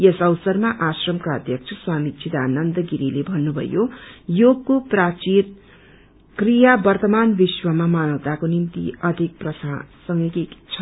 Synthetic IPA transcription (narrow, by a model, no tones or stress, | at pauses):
jesʌwsʌrmaʔasrʌmkaʌd̪ʱjʌkt͡sʰʌswamit͡sʰit̪anʌnd̪ʌɡiɾilebʱʌnːubʱʌ̰jojoɡkoprat͡sin | krijabʌrt̪ʌmanbiswʌmamanʌwt̪akonimt̪ḭʌd̪ʱik̚prʌsasʌŋekit͡sʰʌ